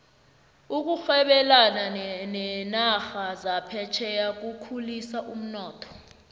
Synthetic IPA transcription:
uk̬uxɛɓɛlananɛnaxazapʰɛt͡ʃʰɛjak̬ukʰulisaʔum̩nɔːtʰɔ̥

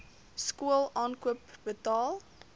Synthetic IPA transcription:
skuəlˠʔɑːnkuəpbətɑːlˠ

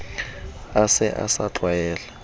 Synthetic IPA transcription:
asɛʔa̰saǃʱwajɛːla

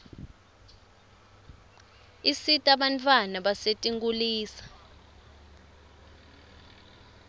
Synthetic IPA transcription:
isitʼaɓant͡fʰʼwanaɓasetʼiŋɡuliːsḁ

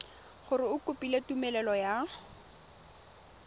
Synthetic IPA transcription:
χʊɾɪʊkʊpʼiletumɛlɛlɔja

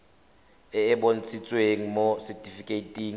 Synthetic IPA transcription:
ɪːbon̩t͡sʰʼit͡sʼweŋ̩mosɛtʼifikʼeitʼiːŋ̩

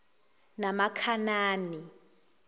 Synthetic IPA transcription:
namakʰanaːni

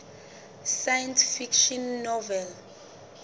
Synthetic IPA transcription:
sajɛnsfikʃɔnːɔvɛl

